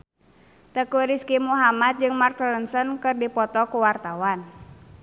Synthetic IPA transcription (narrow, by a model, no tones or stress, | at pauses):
t̪əkuɾiskimuɦamat̪̚d͡ʒɨŋmarklənsənkɨrdipɔt̪ɔkuwart̪awan